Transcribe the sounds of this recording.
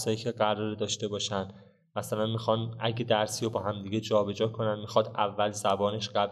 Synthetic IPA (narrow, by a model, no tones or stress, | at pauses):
sɒːjiːcʲʰeɢæɾɒːɾed̪ɒːʃt̪e̞bɒːʃænd̪̥ | mæsælænmixɒnæɟed̪æɾsijobɒːhæmd̪iːɡe̞d͡ʒɒːbe̞d͡ʒɒːkʰo̞nænmixɒd̪ʔævːælzæbɒːne̞ʃɢæb